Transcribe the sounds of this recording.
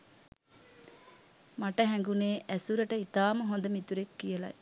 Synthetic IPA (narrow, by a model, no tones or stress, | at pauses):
maʈɐɦɛŋɡuneːʔɛsuɾɐʈɐit̪aːmɐɦond̪ɐmit̪uɾekːijɐlɐ̰j